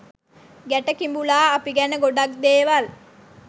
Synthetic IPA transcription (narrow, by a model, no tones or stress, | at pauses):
ɡæʈəkimbulaːpiɡænəɡoɖak̚d̪eːʋal